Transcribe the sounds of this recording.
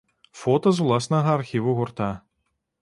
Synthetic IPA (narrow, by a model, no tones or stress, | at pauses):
fɔt̪ɐzvlˠɑsnɐɣɐːrxʲivuɣʊrt̪ɑ